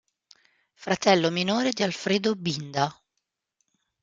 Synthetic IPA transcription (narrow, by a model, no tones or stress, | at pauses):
fɾat̪ɛlːominoːɾed̪ialfɾeːd̪obind̪a